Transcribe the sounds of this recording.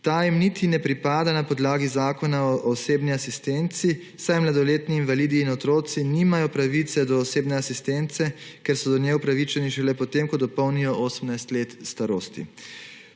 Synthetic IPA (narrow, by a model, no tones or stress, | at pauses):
t̪ajimnit̪ʰinɛpɾipaːd̪anapɔd̪laːɡizaːkɔnaɔʔːseːbniasist̪ɛnt̪si | sajmlad̪ɔleːt̪niːnʋaliːd̪iːnɔt̪ɾoːt̪siniːmajɔpɾaʋit̪sɛd̪ɔːseːbnɛasist̪ɛnt̪sɛkɛɾsɔd̪ɔnjɛupɾaʋit͡ʃɛniʃɛlɛpɔt̪emkɔd̪ɔpɔwnijɔʔoːsəmnajst̪leːt̪st̪aɾoːst̪ḭ